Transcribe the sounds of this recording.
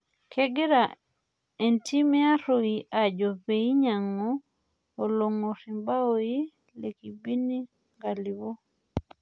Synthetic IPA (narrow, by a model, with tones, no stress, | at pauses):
kʰɛ˦ɡe˦ɾa˨ | e˨ntʰi˦me˦a˦ɾo˨i˨ʔa˨d͡ʒo˨pe˨i˦ɲa˨ŋɔː˦˨ | lo˨ŋo˨ɾi˨mba˦o˦ji˦ | le˨ki˨bi˦ni˦ | ŋɡa˨li˨βo˦